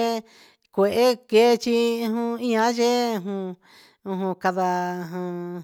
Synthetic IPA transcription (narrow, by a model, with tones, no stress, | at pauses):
kʷe˨ʔe˦ke˦˧t͡ʃi˦˧hũ˧ĩ˦ã˧˦ʒe˦˧ɦũ˧ | ũ˧ɦũ˧ka˧ða˧ɦã˧